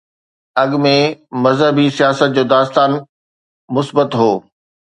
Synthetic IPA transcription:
ɐɠmẽmɐzɦəbisijaːsət̪̚d͡ʑoːd̪aːst̪aːn | mʊsbət̪ɦoː

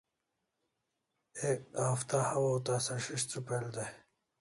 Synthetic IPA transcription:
ekaːft̪ahɐwot̪asɐɕiɕt͡supeld̪e

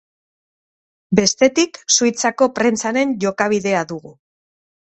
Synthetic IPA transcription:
be̞st̪e̞t̪iksujt͡sako̞pɾe̞nt͡saɾe̞nʝo̞kaβ̞iðe̞aðuɣu

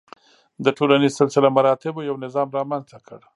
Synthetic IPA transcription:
d̪əʈʰolanizsɪlsɪlamaɾɑt̪ɪbajawnɪzɑmɾɑmanzt̪akʰəɽ

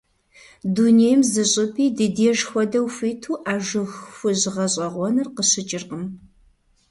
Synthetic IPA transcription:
dunejmzɨɕʼɪpʰiːdɨdeːʒxʷɔdɐwfʷiːtʰuːʔaːʒɨxfʷʊʑɪʁɐɕʼɐʁʷɔnɨrqəɕɪt͡ʃʼɪrqəm

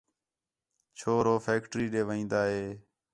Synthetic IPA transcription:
t͡ʃʰoːɾoːfʰeːkʈɾiːɗeːʋəĩːnd̪aːɦeː

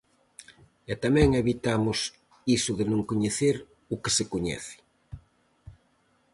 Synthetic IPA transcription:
ɛt̪amɛ̃ŋeβit̪amʊs | isʊðɪnõŋkoɲeθeɾ | ʊke̥sekoɲɛ̰θɪ̥

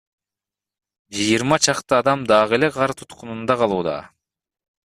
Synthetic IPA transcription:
d͡ʒɯjɨɾmɑt͡ʃʰɑqt̪ɯɑd̪ɑmd̪ɑʁele̞ʁɑɾt̪ʰut̪qunund̪ɑqʰɑlˠuːd̪ɑ̰

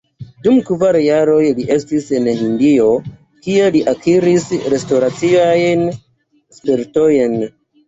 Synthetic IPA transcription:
dumkvaɾjaɾo̞jliʔe̞stisenhindio̞ | kie̞liʔakiɾisɾe̞stoɾat͡siajn | speɾto̞jn

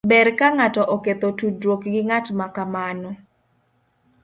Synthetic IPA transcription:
bɛrkaŋatɔʔɔket̪otudɾwokɡɪŋatmakamanɔ

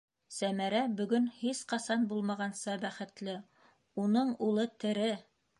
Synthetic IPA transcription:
sæmæɾæbɵ̆ɡɵnhisqɑsɑnbulˠmɑʁɑnsɑbæχɘ̆t̪lɘ | unɤɴulˠɤt̪ɘ̆ɾɘ

